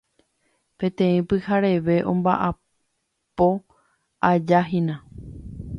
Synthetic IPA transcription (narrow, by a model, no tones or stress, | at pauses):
pẽ̞t̪ẽ̞ĩpɨhaɾe̞ʋe̞ʔõ̞̰mbaʔa | po̞ | ad͡ʒaɦĩnã